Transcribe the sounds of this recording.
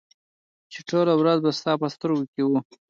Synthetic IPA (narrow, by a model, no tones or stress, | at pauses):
t͡ʃeʈʰolawɾazbast̪ɑpəst̪əɾɡokewu